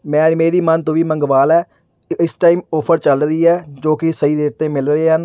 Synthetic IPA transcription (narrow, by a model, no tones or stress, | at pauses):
mɛ̃ːmeːɾiːmənt̪õːʋiːməŋɡʋaːlɛː | ɪsʈaːiːmoːpʰəɾt͡ʃəlɾiːɛːd͡ʒoːkɪsəiːd̪eːʈ̚t̪ẽːmɪlɾəeːɦən